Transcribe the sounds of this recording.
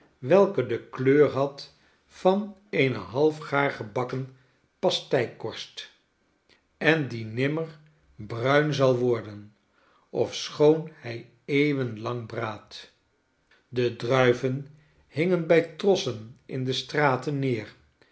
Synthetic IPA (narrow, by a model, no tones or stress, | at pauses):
ʋɛlˠkədəkløːɹɦɑt | fɑnejnəɦɑlˠfχaːɹχəbɑkən | pɑstɛjkɔɹst | ɛndinɪməɹ | brœɥnzɑlˠʋɔɹdən | ɔfsχownhɛj | ejvənlɑŋbraːt | dədrœɥvən | hɪŋənbɛjtrɔsənʔɪ̰ndəstraːtənːɪːr